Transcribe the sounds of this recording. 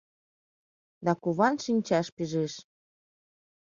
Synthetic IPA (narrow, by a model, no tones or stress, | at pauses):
d̪ɑkuβɑnʃinʲt͡ɕɑʃpiʒeʃ